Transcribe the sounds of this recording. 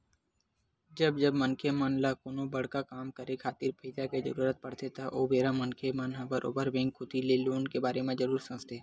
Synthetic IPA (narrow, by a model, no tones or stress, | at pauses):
d͡ʒəbd͡ʒəbmənkʰemənlakoːnõbɐɽ̤kakaːmkəɾekʰaːt̪iːɾpʰiːd̪aked͡ʒə̰ɾuːɾət̪̚pɐɽ̤t̪et̪aʔoːbeːɾamənkʰemənɦə̃bəɾʔo̰ːbəɾbɪ̃ːŋɡkʰʊt̪ileloːnkebaːɾemẽd͡ʒəɾuːɾsɐ̃əst̪ʰeː